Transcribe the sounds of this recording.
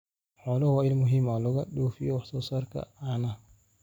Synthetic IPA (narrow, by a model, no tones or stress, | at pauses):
ħɔːlɐwaːɪlmʊɦɪmalʊɣɐɗoːfɪjɔwɑħsɔːsaːrkʰɐ̰anɐ